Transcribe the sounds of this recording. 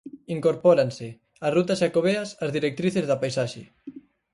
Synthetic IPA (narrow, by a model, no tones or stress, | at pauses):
iŋkoɾpɔɾansɪ | arut̪ɐsʃakoβ̞eɐsɐzðiɾek̚t̪ɾiθezðɐpajsaʃḛ